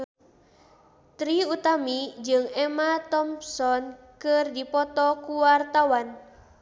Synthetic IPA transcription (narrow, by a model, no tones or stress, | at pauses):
t̪ɾiut̪amid͡ʒɨŋɛmat̪ɔmsɔn | kɨrdipɔt̪ɔkuwart̪awan